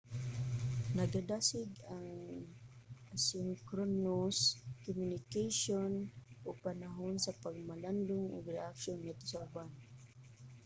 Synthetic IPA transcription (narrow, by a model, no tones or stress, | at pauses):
naɡad̪asɪɡaŋ | ʔasɪŋkɾonoskomjʊnɪkajʃonʔopanaɦonsapaɡ̚maland̪ʊŋʔo̰ɡɾɛʔakʃonŋat̪osaʊban